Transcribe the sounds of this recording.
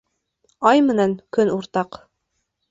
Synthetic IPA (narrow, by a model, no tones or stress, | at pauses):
ɑjmɘ̆næŋkɵnuɾt̪ɑq